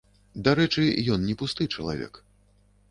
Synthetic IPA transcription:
d̪aɾɛt͡ʂɨjɔnnʲɛpust̪ɨjt͡ʂɐlˠa̰vʲɛ̰k

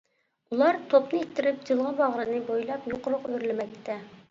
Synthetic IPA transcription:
ulˠɑɾt̪ʰopnɨet̪ʰːɪɾɪp̚d͡ʒilˠʁɑbɑʁɾɨnɨbojlˠɑpjoqʊɾʊqøɾlɪmɛk̚ʲt̪ʰːɛ

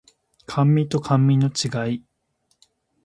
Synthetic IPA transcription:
kʰãmːʲĩt̪o̞kʰãmːʲĩno̞t͡ɕiɡai

